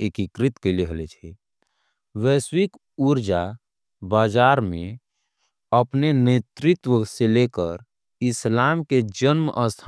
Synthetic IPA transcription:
ekikɾɪt̪keliɦəlet͡ʃʰɛ | ʋɛswik | uɾd͡ʒa | baːd͡ʒaːɾmẽ | əpnenet̪ɾɪt̪wəselekəɾ | ɪslaːmked͡ʒənmʔəst̪ʰ

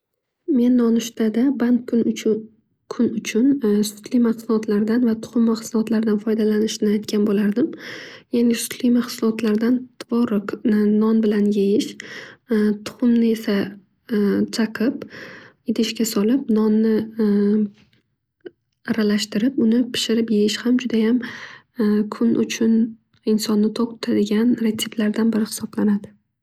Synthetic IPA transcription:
me̞nːɒnʊʃt̪ad̪aban | kʰʊnʊt͡ʃʰʊnsʊ̥t̪limaχsʊlɒt̪ʰlaɾd̪anvat̪ʰʊ̥χʊmːaχsʊlˠɒt̪laɾd̪anfɒjd̪alanɪʃɪnɪajt̪̚kʲʰanbolaɾd̪ɪmjanʲɪsʊ̥t̪ʰlimaχsʊlˠɒt̪laɾd̪ant̪ʰvɒɾʊknɒnbɪlanjejɪʃ | t̪ʰʊ̥χʊmnɪe̞sa | t͡ʃʰaqʰɨp | ɪd̪ɪʃkʲasɒlɪp̚nɒnːɪ | ɾalaʃt̪ɪɾɪpʊnɪpʰɪ̥ʃɪɾɪpjejɪʃhamd͡ʒʊd̪ajam | kʰʊnʔʊ̰t͡ʃʰʊn | ɪnsɒnːɪt̪ʰɒq̚ʊt̪ʰad̪ɪɡʲanɾet̪ʰːi̥blaɾd̪anbɪɾɪhɪ̥sɒblanad̪ɪ

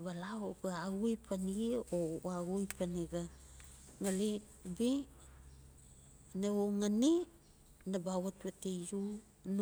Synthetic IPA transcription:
βalaoɡeaɡujpʰaniɡioaɡujpaniɡa | ŋali | bi | neoŋani | nabawatβatejju | n

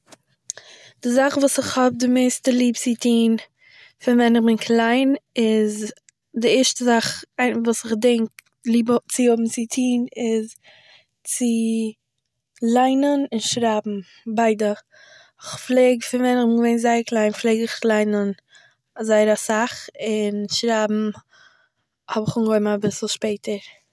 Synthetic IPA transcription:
d̥ɪzaχvuːsɪχhɔb̚dɪmeɪstəlˠiːpt͡sɪtʰiːn | fɪnvɛnɪχbɪnkʰlˠaɪnɪz | dɪɛɾʃtəzaχaɪvuːsɪχdɛŋk | lˠiːbt͡sɪʊbm̩t͡sɪtʰiːnɪz | t͡sɪ | lˠaɪnənɪnʃɾaːbm̩ | baɪdə | ɪχflˠeːɡfɪnvɛnɪχbɪnɡəveɪnzaɪəɾklˠaɪnflˠeːɡɪχlˠaɪnən | azaɪəɾasaχɪnʃɾaːbm̩ | hɔbɪχuŋɡɔɪmabɪsl̩ˠʃpeɪtʰəɾ

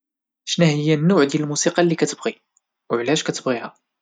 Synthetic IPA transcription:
ʃnæhəjːænːʊʕd̪jælmusiqɑlːikæt̪əbʁi | wʕlæʃkæt̪əbɣihæ

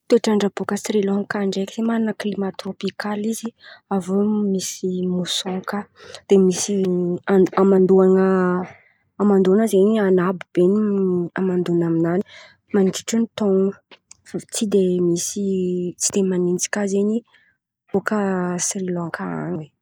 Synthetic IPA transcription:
t̪eʈ͡ʂaɳɖ͡ʐab̥okəsrilɔ̃ŋkaɳɖ͡ʐekiz̥emananəklimat̪ropikaliziavomisimusɔ̃ŋkad̪̥emisiaamand̪uaŋə | amand̪unəzeɲianabub̥eniamand̪unaminani̥ | maniʈ͡ʂi̥ʈ͡ʂunit̪oŋufat͡sid̪emisit͡si̥d̪emanint͡si̥kʲazeɲi | b̥okəsrilɔ̃ŋkʰaa̰nwe

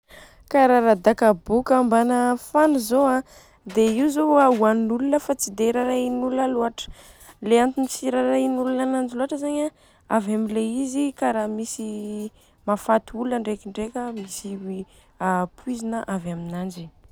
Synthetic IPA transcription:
kaɾaɾad̪akabukambanəfanuzoã | d̪eiwzoauannulunəfat͡sid̪eɾaɾainulunəluaʈ͡ʂə̥ | leant̪inisiɾaɾainulunanand͡ʒiluaʈ͡ʂəzaɲa | avamileizikaɾamisi | mafat̪uuluəɳɖ͡ʐekiɳɖ͡ʐekʲəmisiwi | apwuizinəʔavaminand͡ʒi

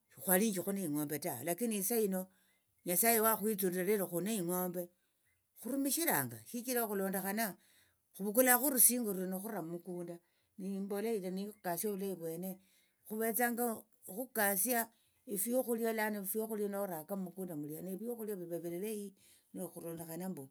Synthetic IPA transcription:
ixwaliɲd͡ʒixuneiŋo̞ːmbe̞ta̰lakinisaino̞ | ɲasajewaxwit͡suɾieleɾoxuneiŋo̞ːmbe̞ | xuɾumiʃiɾaːŋɡa̰ʃit͡ʃiɾaxulo̞ːndexana | xuβukulaxuɾusiːŋɡuɾuenoxuɾamumukuːnda | nimboleilanikasjoβulaiβwe̞ːne̞ | xuβe̞t͡saŋɡa | xukasja | ifijoxuljalanafijoxulianouɾakamumukuːndamulianeβijoxuljaβiβeβelleji | noxulo̞ːnde̞xanambo

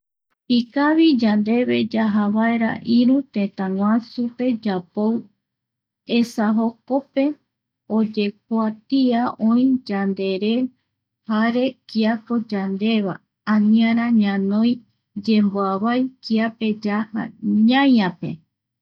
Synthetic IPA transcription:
ikaβid͡ʒand̪e̞βe̞d͡ʒaɦaβaeɾa̰ʔiɾut̪ẽt̪ãŋw̃ãsupe̞d͡ʒapow | esaɦo̞ko̞pe̞ | o̞d͡ʒe̞k̚at̪iaʔõĩd͡ʒand̪e̞ɾe̞ | haɾe̞kiapo̞d͡ʒand̪e̞βa̰ | anĩaɾ̃aɲãnõj̃ | d͡ʒe̞mboaβajkiape̞d͡ʒaha̰ɲãjãpe̞̰

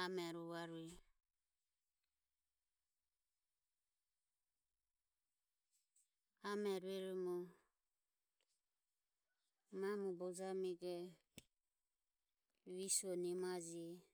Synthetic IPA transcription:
amɛɾuβaɾuɛ | amɛɾuɛɾumɔ | mamubɔd͡ʒamiɡɛ | βisuɔnimad͡ʒiɛ

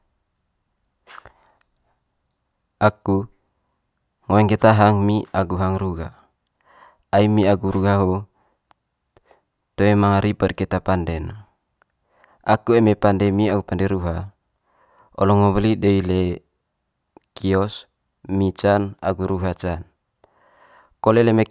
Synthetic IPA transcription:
ʔaku | ŋoɛŋket̪aɦaŋmiaɡuɦaŋɾuɡa | aimiaɡuɾuɡaɦo | t̪oemaŋaɾipədkɛt̪apandɛn | ʔakuemepandɛmiaɡupandɛɾuɦa | ɔ̰lɔŋɔβlideile | kiɔs | mit͡ʃana̰ɡuɾuɦat͡ʃan | koleleme

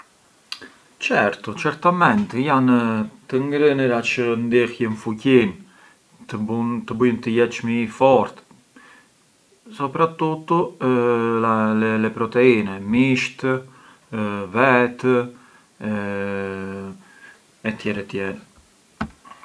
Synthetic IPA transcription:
t͡ʃɛɾt̪ɔt͡ʃɛɾt̪amɛnt̪jant̪əŋɡɾənəɾat͡ʃənd̪ixjənfucin | t̪əunt̪əbujnt̪əjɛt͡ʃmifɔɾt̪ | sɔpɾat̪ut̪ɔ | alɛlɛpɾɔt̪ɛinɛmiʃt̪ | vɛt̪ | ɛ | ɛt̪jɛɾɛt̪jɛɾɛ

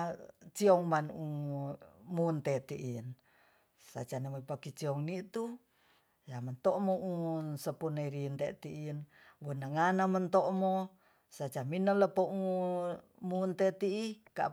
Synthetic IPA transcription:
t͡ʃiɔŋmanu | munt̪et̪iʔin | sa̰t͡ʃanawopakit͡ʃiɔŋnit̪u | jamənt̪oʔmoʔunsəpuneiɾint̪et̪iʔin | wonəŋanamənt̪oʔmo | sat͡ʃaminələpoʔu | munt̪et̪iʔːka̰ʔ

